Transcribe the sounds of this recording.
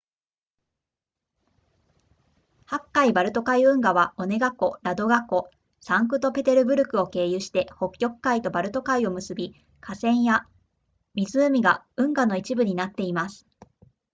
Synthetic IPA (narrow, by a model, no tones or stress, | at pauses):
hakːaibaɾɯ̟t̪o̞kaiɯ̟̃ŋɡaβao̞ne̞ɡakːo̞ɾad̪o̞ɡakːo̞ | sãŋkɯ̟t̪o̞pe̞t̪e̞ɾɯ̟bɯ̟ɾɯ̟kɯ̟o̞ke̞ːjɯːɕi̥t̪e̞ho̞kʲːo̞kɯ̟̥kːait̪o̞baɾɯ̟t̪o̞kaio̞mɯ̟sɨbʲi | kʰasẽ̞ɰ̃ja | mʲizɨːmʲiɡa | ɯ̟̃ŋɡano̞it͡ɕibɯ̟ɲ̟inat̪ːe̞imasɨ̥